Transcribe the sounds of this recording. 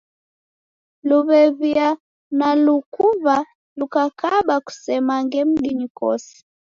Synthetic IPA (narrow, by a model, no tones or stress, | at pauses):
luβɛβia | nalukuβa | lukakaɓaku̥sɛmaŋɡɛm̩ɡiɲikɔ̰sɛ̥